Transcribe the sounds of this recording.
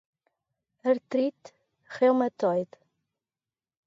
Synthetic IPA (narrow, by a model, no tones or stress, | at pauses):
əɾt̪ɾit̪ | χelmət̪ɔjð